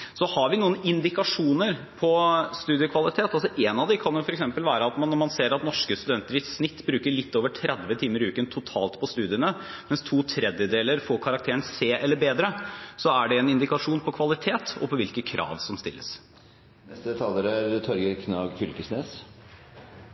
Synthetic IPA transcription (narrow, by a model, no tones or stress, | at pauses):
sɔhɑɾʋɪnuːənɪnd̪ɪkɑʂuːnəɾpʰɔst̪ʉːd̪ɪjəkʰʋɑlɪt̪ʰeːt̪ɑlsɔʔenɑʋd̪ɪkʰɑnjʊfɔɾɛksɛmpəlʋæːɾəɑt̪mɑnːɔmɑnseːɾɑt̪nɔʂkəst̪ʉd̪ɛnt̪əɾʋiːssnɪt̪ːbɾʉːkəɭɪt̪ːoːʋəʈʰɾɛd̪ʋət̪ʰiːməɾʉːkənt̪ʰʊt̪ʰɑːlt̪pʰɔst̪ʉːd̪ɪənəmɛnst̪ʰuːt̪ʰɾɛd̪jəd̪eːləɾfoːɾkʰɑɾɑkt̪ʰeːɳseːʔɛlːəɾbeːd̪ɾəsɔæɖɛɛnɪnd̪ɪkɑʂuːnpʰɔkʰʋɑlɪt̪ʰeːt̪ɔ̰pʰɔʋɪlkəkʰɾʔɑ̰ːʋsɔmst̪ɪ̰lːə̰s | nɛst̪əd̪ɛt̪ʰɑləɾɾt̪ʰɔɾɡəkʰnɑːɡfʏlkəsneːs